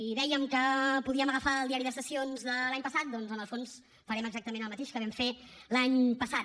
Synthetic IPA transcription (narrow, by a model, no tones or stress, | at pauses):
iðɛjəmkəpuðiəməɣəfaəlˠd̪iaɾiðəsəsionzðəlaɲpəsat̪̚d̪ɔnzənəlˠfons | fəɾɛməɡzak̚t̪əmenəlˠmət̪eʃkəβɛmfelaɲpəsat̪